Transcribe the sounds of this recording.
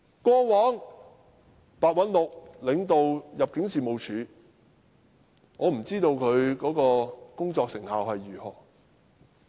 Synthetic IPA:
kʷɔː˥wɔː˨˥ŋ | paː˨˧t̚wɐ˨˥nlʊ˨k̚lɪ˨˧˥ŋt̪o˨wjɐ˨p̚kɪ˨˥ŋsiː˨mo˨˧wt͡ʃʰyː˨˧ | ŋɔː˨˧m̩˨˩t͡siː˥t̪o˧wkʰɵ˨˧ɥkɔː˨˥kɔː˧kʊ˥ŋt͡sɔː˧k̚sɪ˨˩ŋhaː˨whɐ˨jːyː˨˩hɔ̰ː˨˩

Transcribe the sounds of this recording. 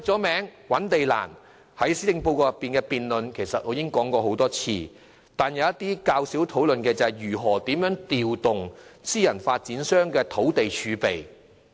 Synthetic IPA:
ɐ˨˩t͡sɔː˨˥mɛː˨˥ŋwɐ˨˥nt̪e˨jla̰ː˨˩n | hɐ˨˥jsiː˥t̪ɪ˧ŋpo˧wkɔː˧jɐ˨˩pːiː˨nkɛː˧piː˨nlɵ˨nkʰe˨˩jsɐ˨t̚hɔː˨˧˥jɪ˥ŋkɔː˨˥ŋkɔː˧ɦo˨˥wt̪ɔː˥t͡sʰḭː˧ | t̪aː˨njɐ˨˧wjɐ˥t̪iː˥kaː˧wsiː˨˥wt̪ʰo˨˥wlɵ˨nkɛː˧t͡sɐ˨ɐ˨˩jjyː˨˩ɦɔː˨˩t̪iː˨˥mjœː˨˥ŋt̪iː˨wt̪ʊ˨ŋsiː˥jɐ˨˩nfaː˧t̚t͡siː˨˥nsœː˥ŋkɛː˧t̪ʰo˨˥wt̪e˨jt͡ʃʰyː˨˧pe˨j

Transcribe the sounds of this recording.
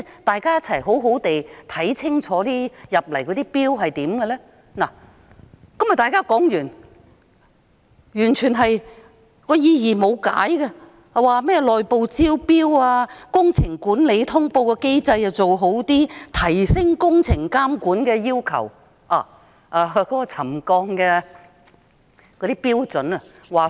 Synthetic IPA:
t̪aː˨jkaː˥jɐ˥t̚t͡sʰɐ˨˩jɦo˨˥wɦo˨˧˥wt̪e˨jt̪ʰɐ˨˥jt͡sʰɪ˥ŋt͡ʃʰɔː˨˥t̪iː˥jɐ˨p̚lɐ˨˩jkɔ˨˧t̪iː˥piː˥wɦɐ˨jt̪iː˨˥mɡɛ˧lɛː˥ | na˨˩ | kɐ˥mjɐ˨˩t̪aː˨˧jkaː˥kɔː˨˥ŋjyː˨˩n | jyː˨˩nt͡ʃʰyː˨˩nɦɐ˨j | kɔː˧jiː˧jiː˨˩mo˨˧wka̰ː˨˥jɡɛ˧˨ | waː˨˧mɛː˥lɔː˨jpo˨˧wt͡siː˥wpiː˥waː˧kʊ˥ŋt͡sʰɪ˨˩ŋkuː˨˥nle˨˧jt̪ʰʊ˥ŋpo˧wkɛː˧ke˥jt͡sɐ˧jɐ˨˩wt͡so˨wɦo˨˥wt̪iː˥t̪ʰɐ˨˩jsɪ˥ŋkʊ˥ŋt͡sʰɪ˨˩ŋkaː˥mkuː˨˥nkɛː˧jiː˥wkʰɐ̰˨˩w | ʔaː˨˩ | ʔaː˨˧kɔː˨˥kɔː˧t͡sʰɐ˨˩mkɔː˧ŋkɛː˧ | kɔː˨˧d̪iː˥piː˥wt͡sɵ˨˥nɐ˨ | waː˨

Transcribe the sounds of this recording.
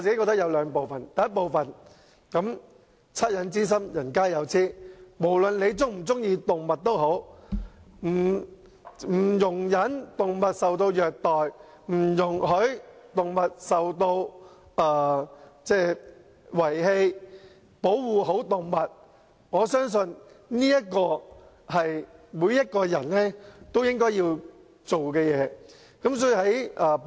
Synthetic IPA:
ɔ˧t͡siː˨ke˥kɔ˧t̪ɐ˥k̚jɐ˨˧wlœː˨˧ŋpo˨wfɐ˨nj̪ɐ˨˦ɐ˥t̚po˨wfɐ˨n | kɐ˨˥m | t͡sʰɐ˥t̚jɐ˨˧nt͡siː˥s̬ɐ˥mjɐ˨˩nkaː˥jɐ˨˧wt͡sʰiː˥mo˨˩wlɵ˨nle˨˧jt͡sʊ˥ŋm̩˨˩t͡sʊ˥ŋjiː˧t̪ʊ˨ŋmɐ˨t̚t̪o˥wɦo˨˥w | m̩˨˩ | m̩ː˨˩jʊ˨˩ŋjɐ˨˥nt̪ʊ˨ŋmɐ˨t̚sɐ˨wt̪o˧wjœː˨k̚t̪ɔː˨˩j | m̩˨˩jʊ˨˩ŋhɵ˨˥ɥt̪ʊ˨ŋmɐ˨t̚sɐ˨wt̪o˧w | ʔaː˨˧t͡sɛː˥˧˩ | wɐ˨˩jɦe˧j | po˨˥wwuː˨˩ɦo˨˥wt̪ʊ˨ŋmɐ˨t̚ | ŋɔː˨˧sœː˥ŋs̬ɵ˧n | niː˥jɐ˥t̚kɔː˧ | hɐ˨jmuː˨˧˥jɐ˥t̚kɔː˧jɐ˨˩nlɛː˥t̪o˥wjɪ˥ŋkɔː˥jiː˧w | t͡so˨wkɛː˧jɛː˨˧ | kɐ˨˥ms̬ɔː˨˥i˧hɐ˨˥jɐː˨˧

